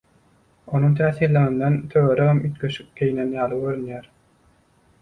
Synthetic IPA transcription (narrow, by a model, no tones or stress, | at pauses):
o̞nuŋt̪ʰæːθiːɾleŋind̪ent̪ʰøɣøɾeɣemyt̪køʃyp̚kʲejnenjɑːlˠɯɡøɾynjæːɾ